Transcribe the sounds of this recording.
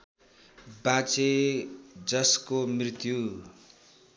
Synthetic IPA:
bat͡se | d͡zʌskomrit̪ju

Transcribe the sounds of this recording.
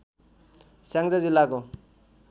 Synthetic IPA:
sjaŋd͡zad͡zilːako

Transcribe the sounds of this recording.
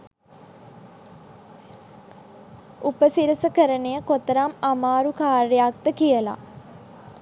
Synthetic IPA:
upəsiɾəsəkəɾənejəkot̪əɾamamaːɾukaːrejak̚t̪əkijəla̰

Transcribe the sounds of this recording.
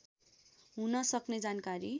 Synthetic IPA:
ɦunʌsʌkned͡zankaɾi

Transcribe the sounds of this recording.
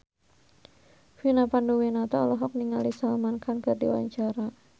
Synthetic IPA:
finapanduwinat̪ɔɔlɔɦɔk̚niŋalisalmankʰankɨrdḭwa̰ɲt͡ʃaɾa

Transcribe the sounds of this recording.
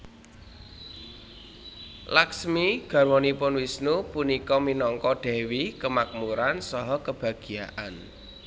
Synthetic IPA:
laksmiɡ̥a̤rwɔnipʊnwisnupunikɔminɔŋkɔɖ̥ɛ̤wikəmak̚muɾansɔɦɔkəb̥ä̤ɡ̥i̤jaʔan

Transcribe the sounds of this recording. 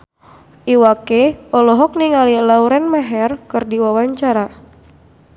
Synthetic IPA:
ʔiwakeɔlɔɦɔk̚niŋalilauɾɛnmaɦɛrkɨrdiwawaɲt͡ʃaɾa

